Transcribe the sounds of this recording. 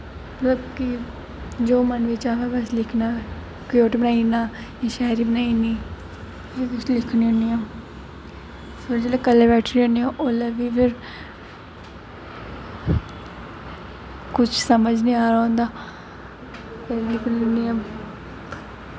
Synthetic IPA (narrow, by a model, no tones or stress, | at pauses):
mt̪ləbki | d͡ʒoːmənʋɪt͡ʃaːʋɛːbɛslɪkʰnaː | koːʈbənaːinaː | ãʃɛːɾiːbənaːiniː | eːʋɪt͡ʃlɪkʰniõniːõː | fɪɾd͡ʒeːleːkəlebɛːʈʰɾioniõːʔoːləʋiːfʰɪɾ | kʊt͡ʃʰsəməd͡ʒnĩːaːɾaːɦõːnd̪aː | pelɪkʰninia